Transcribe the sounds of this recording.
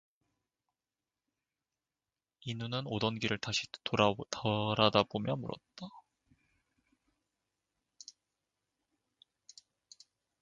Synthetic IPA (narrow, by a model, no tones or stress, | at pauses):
inunɯnodʌnɡiɾɯɭtaɕʰi̥ttʌɾadabomjʌmṵɾʌ̰t̚t͈a